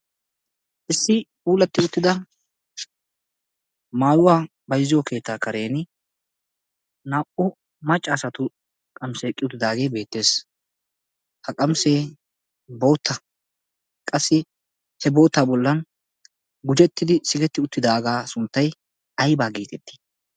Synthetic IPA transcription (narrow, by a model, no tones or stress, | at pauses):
ʔɪsːɪpuːlɐt̪ːɪʊt̪ːɪd̪ɐ | maːjʊwaː | bɐjzːɪjɔkʰe̞ːt̪ːaːkɐɾe̞ːn | naːʔʊ | mɐt͡ʃʼːaːsɐt̪ʊ | kʼɐmseːkʼɪʊt̪ːɪd̪aːɡe̞ːbe̞ːt̪ːe̞ːs | hɐkʼɐmseː | bo̞ːt̪ːɐ | kʼɐsːɪ | hɛbo̞ːt̪ːaːbɔlːɐn | ɡʊd͡ʒɛt̪ːɪd̪ɪsɪɡɛt̪ːɪʊt̪ːɪd̪aːɡaːsʊnt̪ːɐj | ɐjbaːɡiːt̪ʼɛt̪ːi̥